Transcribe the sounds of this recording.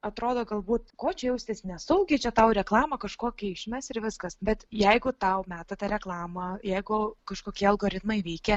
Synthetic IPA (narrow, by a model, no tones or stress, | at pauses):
ɐt̪ɾoːd̪oːɡɐlˠbuːt̪koːt͡ʃʲɛjɛʊsʲt̪ʲesnʲɛsɐʊɡʲet͡ʃʲɛt̪ɐʊɾʲɛklˠɑːmɐkɐʃkoːkʲiɪʃʲmʲɛsɪɾʋʲɪskɐsbʲɛt̪jɛɪɡʊt̪ɐʊmʲæːt̪ɐt̪ɐɾʲɛklˠɑːmɐjɛɪɡʊkɐʃkoːkʲiɛɐlˠɡoːɾʲɪt̪mɐɪʋʲɛɪkʲɛ